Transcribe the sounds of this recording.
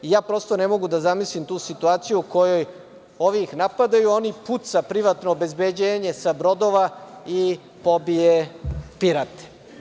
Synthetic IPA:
ijaːpɾo̞st̪o̞nemo̞ɡud̪azamislimt̪uːsit̪uaːt̪sijuːko̞jo̞j | o̞ʋiixnapad̪ajuo̞niput̪sapɾiʋat̪noːbe̞zbed͡ʑeːɲe̞sabɾo̞d̪oʋai | po̞biepiɾat̪e̥

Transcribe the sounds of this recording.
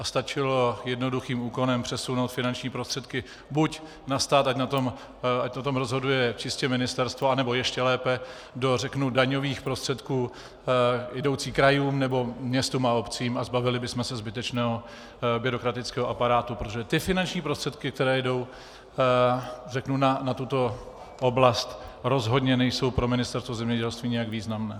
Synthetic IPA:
ast̪at͡ʃɪlo̞jɛdno̞duxiːmuːko̞nɛmpr̥ɛsunowt̪fɪnant͡ʃɲiːpɾost̪r̥ɛt̪kɪ | buc | nast̪aːt̪acnat̪o̞m | acnat̪o̞mɾo̞zɦo̞dujɛt͡ʃɪscɛmɪnɪst̪ɛɾst̪voanɛbo̞jɛʃcɛlɛːpɛ | do̞rɛknudaɲo̞viːxpɾost̪r̥ɛt̪kuː | jɛdo̞wt͡siːkɾajuːmnɛbo̞mɲɛst̪uːmao̞pt͡siːmazbavɪlɪbɪsmɛsɛzbɪt̪ɛt͡ʃnɛːɦo̞ | bɪɾo̞kɾat̪ɪt͡skɛːɦoʔapaɾaːt̪upɾot̪oʒɛt̪ɪfɪnant͡ʃɲiːpɾo̞st̪r̥ɛt̪kɪk̚t̪ɛɾɛːjɛdo̞w | rɛknunanat̪ut̪o̞ | ʔoblast̪ɾo̞zɦo̞dɲɛnɛjso̞wpɾo̞mɪnɪst̪ɛɾst̪vozɛmɲɛɟɛlst̪viːɲɛjaɡviːznamnɛː

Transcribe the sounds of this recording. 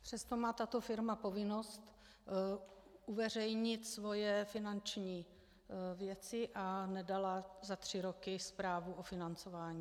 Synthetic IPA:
pr̥ɛst̪o̞maːt̪at̪o̞fɪɾmapo̞vɪno̞st̪ | ʔuvɛr̝ɛjɲɪt̪svo̞jɛfɪnant͡ʃɲiː | vjɛt͡sɪʔanɛdalazat̪r̝̥ɪɾo̞kɪspɾaːvuʔofɪnant͡so̞vaːɲiː

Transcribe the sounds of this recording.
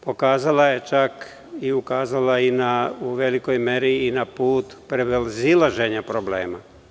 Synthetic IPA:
po̞kaːzalajet͡ʃak | iukaːzalainauʋe̞likojmeɾiːnapuːt̪pɾebelzilaʒeɲapɾoblḛːma̰

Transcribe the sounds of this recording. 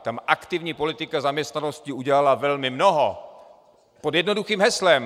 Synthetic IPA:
t̪amʔakt̪ɪvɲiːpo̞lɪt̪ɪkazamɲɛst̪nanoscɪuɟɛlalavɛlmɪmnoɦo | podjɛdno̞duxiːmɦɛslɛm

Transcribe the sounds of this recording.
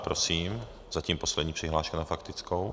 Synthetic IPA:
pɾosiːm | zaciːmposlɛdɲiːpr̝̥ɪɦlaːʃkanafakt̪ɪt͡skow

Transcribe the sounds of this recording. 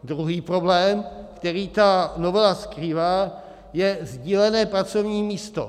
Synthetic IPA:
d̪ɾuɦiːpɾo̞blɛːmkt̪ɛɾiːt̪anovɛlaskɾiːvaː | jɛzɟiːlɛnɛːpɾat͡so̞vɲiːmiːst̪o̞̰

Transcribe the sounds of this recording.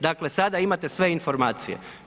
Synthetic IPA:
d̪akle̞sad̪aimat̪e̞sʋe̞info̞ɾmaːt̪sijḛ

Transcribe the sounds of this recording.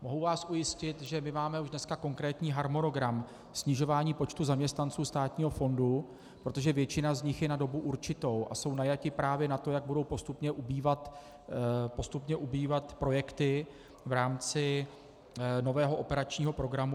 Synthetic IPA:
mo̞ɦuvaːsʔujɪscɪt̪ʒɛmɪmaːmɛuʒdnɛskako̞ŋkɾɛːt̪ɲiːɦaɾmo̞no̞ɡɾam | sɲɪʒo̞vaːɲiːpo̞t͡ʃt̪uzamɲɛst̪nant͡suːst̪aːt̪ɲiːɦo̞fo̞ndu | pɾo̞t̪o̞ʒɛvjɛt͡ʃɪnazɲɪxjɛnado̞buʔuɾt͡ʃɪt̪o̞wʔa̰so̞wnajacɪpɾaːvjɛnat̪o̞jaɡ̚budo̞wpo̞st̪upɲɛʔubiːvat̪ | post̪upɲɛʔubiːvat̪pɾo̞jɛkt̪ɪ | vɾaːmt͡sɪ | no̞vɛːɦoʔopɛɾat͡ʃɲiːɦo̞pɾo̞ɡɾamu

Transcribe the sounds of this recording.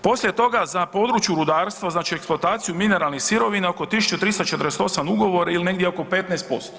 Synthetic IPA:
po̞sljet̪o̞ɡazapo̞d̪ɾut͡ʃjuɾud̪aːɾst̪ʋaznaːt͡ʃieksplˠoat̪aːt̪sijumine̞ɾalˠnixsiɾo̞ʋinao̞ko̞t̪isu̥t͡ʃut̪ɾiːst̪at͡ʃet̪əɾeset̪o̞samuɡo̞ʋo̞ɾailine̞ɡd̪jeoko̞pet̪nɛjst̪̚po̞st̪o̥

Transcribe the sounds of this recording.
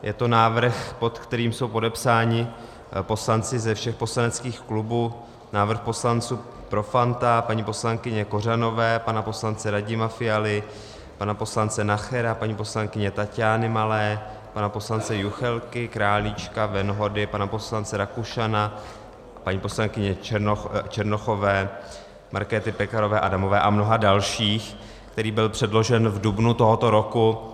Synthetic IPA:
jɛt̪o̞naːvr̩xpo̞t̪kt̪ɛɾiːmso̞wpo̞dɛpsaːɲɪ | po̞slant͡sɪzɛfʃɛxpo̞slanɛt͡skiːxklubuː | naːvr̩xpo̞slant͡suː | pɾo̞fant̪apaɲipo̞slaŋkɪɲɛko̞rano̞vɛːpanapo̞slant͡sɛɾaɟɪmafɪjalɪ | panapo̞slant͡sɛnaxɛɾapaɲiːpo̞slaŋkɪɲɛt̪acaːnɪmalɛː | panapo̞slant͡sɛjuxɛlkɪkɾaːlɪt͡ʃkavɛnɦo̞dɪpanapo̞slant͡sɛɾakuʃana | paɲiːpo̞slaŋkɪɲɛot͡ʃɛɾno̞xo̞vɛː | maɾkɛːt̪ɪpɛkaɾo̞vɛːʔadamo̞vɛːʔamno̞ɦadalʃiːx | kt̪ɛɾiːbɪlpr̝̥ɛdlo̞ʒɛnvdubnut̪o̞ɦo̞t̪o̞ɾo̞ku

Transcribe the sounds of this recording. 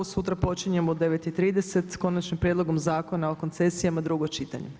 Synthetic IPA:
osut̪ɾapo̞t͡ʃiɲe̞mod̪e̞ʋet̪it̪ɾiːd̪e̞se̞t̪ko̞nat͡ʃnimpɾjed̪lˠo̞ɡo̞mzaːko̞naoko̞nt̪se̞sijamad̪ɾuɡot͡ʃit̪a̰ɲe

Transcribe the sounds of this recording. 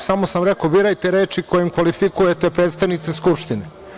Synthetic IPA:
samosamɾekobiɾajt̪eɾeːt͡ʃikojemkʋalifikujet̪e̞pɾeːt̪st̪aʋnit̪seskupʃt̪ine

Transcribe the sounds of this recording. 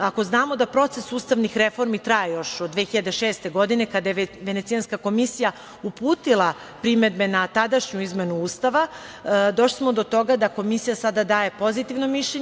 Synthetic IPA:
ako̞znaːmo̞d̪apɾo̞t̪se̞suːst̪aʋnixɾe̞fo̞ɾmit̪ɾajejo̞ʃod̪ːʋexiʎad̪e̞ʃeːst̪e̞ɡo̞d̪ine̞kad̪ajeʋe̞nesijanskako̞misija | upuːt̪ilˠa | pɾime̞d̪̚be̞nat̪ad̪aʃɲuizme̞nuuːst̪aʋad̪o̞ʃli̥smo̞d̪o̞t̪o̞ɡad̪ako̞misijasad̪ad̪aːje̞po̞zit̪iʋno̞miʃʎeɲ

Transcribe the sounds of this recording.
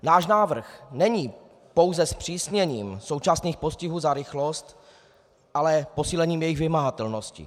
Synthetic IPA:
naːʃnaːvr̩xnɛɲiː | po̞wzɛspr̥iːsɲɛɲiːmso̞wt͡ʃasniːxpo̞scɪɦuːzaɾɪxlo̞st̪ | ʔalɛpo̞siːlɛɲiːmjɛjɪɣvɪmaɦat̪ɛlno̞scɪ̰

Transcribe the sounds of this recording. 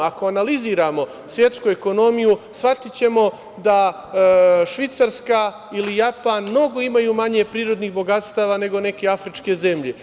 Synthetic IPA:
akoanaliziːɾaːmo̞ | sʋje̞t̪skueko̞no̞mijusʋat̪it͡ɕe̞mo̞ | d̪a | ʃʋit̪saɾska | ilijapaːnmno̞ɡo̞imajuːmaɲe̞pɾiːɾo̞d̪niːɣbo̞ɡat̪st̪aːʋane̞ɡo̞ne̞ke̞afɾit͡ʃke̞ze̞mʎe̞

